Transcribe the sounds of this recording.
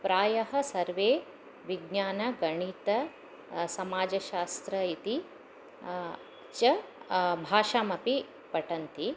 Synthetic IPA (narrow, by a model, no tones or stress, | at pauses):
pɾaːjɐɦɐ̆sɐɾʋeː | ʋiɡnaːnɐɡɐɳit̪ɐ | sɐmaːd͡ʒɐʃaːst̪ɾɐit̪i | t͡ʃɐbʱaːʃaːmɐpi | pɐʈɐnt̪i